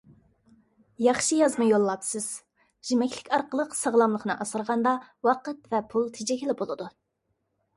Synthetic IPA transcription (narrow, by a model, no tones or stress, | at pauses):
jɑχʃɨjɑzmɨjolˠːɑpsɨz̥ | ʒ̥imɛkʲlɪkʲɑɾqəlˠəqsəʁlˠɑmlˠəχnɨʔɑsəɾʁɑnd̪ɑwɑqət̪vɛpʰulˠt̪ʰɪd͡ʒɛkʲilɪbolˠɨd̪u